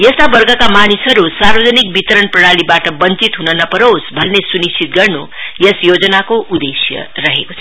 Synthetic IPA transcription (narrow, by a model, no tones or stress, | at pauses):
jest̪abʌrɡʌkamanisʌɾusarbʌd͡zʌnik̚bit̪ʌɾʌnprʌɽ̃alibaʈʌbʌnt͡sit̪ɦunʌnʌpʌɾowsbʱʌnnesunist͡sʰit̪ɡʌrnu | jesjod͡zʌnakoʔud̪esjʌ̰rʌɦeko̥t͡sʰʌ